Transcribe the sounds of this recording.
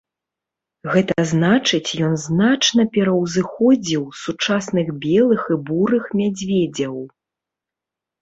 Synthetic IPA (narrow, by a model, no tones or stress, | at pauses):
ɣɛt̪ɐznat͡ʂɨt͡sʲjɔnznat͡ʂnɐpʲɛɾɐwzɨxɔd͡zʲiwsut͡ʂasnɨɣbʲɛlˠɨxibuɾɨxmʲad͡zʲvʲɛd͡zʲɐw